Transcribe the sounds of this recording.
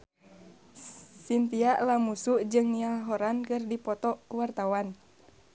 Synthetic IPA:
sint̪iaʔlamusuʔd͡ʒɨŋnialɦɔɾankɨrdipɔt̪ɔʔwart̪awan

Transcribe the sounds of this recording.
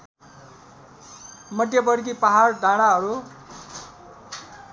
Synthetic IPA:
mʌd̪jʌbʌɽɡipaɦardʱaɽ̃aɦʌɾu

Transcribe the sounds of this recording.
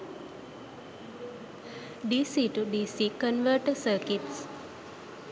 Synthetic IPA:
ɖisiʈuɖisikənʋəɾʈəsəːkiʈs

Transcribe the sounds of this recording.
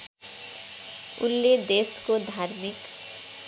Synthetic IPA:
ʊ̰nːed̪eːskod̪ʱaːɾmik

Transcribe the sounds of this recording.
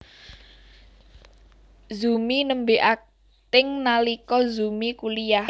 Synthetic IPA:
zuminəmbeʔa | t̪ɪŋnalikɔzumikulija

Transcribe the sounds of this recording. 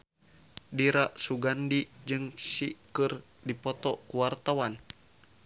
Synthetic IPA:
diɾaʔsuɡandid͡ʒɨŋsikɨr | dipɔt̪ɔkuwart̪awan

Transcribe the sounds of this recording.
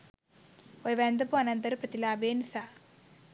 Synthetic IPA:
ojʋend̪ɐpuɐnɐnt̪ɐɾpɾɐt̪ilaːbeːnisa

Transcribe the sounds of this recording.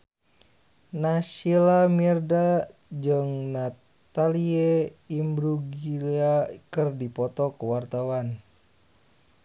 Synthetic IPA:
nasilamirdad͡ʒɨŋna | t̪alieimbɾuɡiliakɨrdipɔt̪ɔkəwart̪awan

